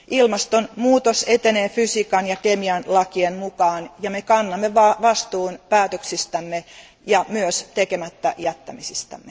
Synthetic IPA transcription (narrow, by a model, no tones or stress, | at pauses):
ʔilmɑst̪onmuːt̪oset̪eneːfysikɑnjɑkemiɑnlɑkienmukɑːnjɑmekɑnːɑmːeʋɑʋɑst̪uːnpæːt̪øksist̪æmːe | jɑmyøst̪ekemæt̪ːæjæt̪ːæmisist̪æ̰mːe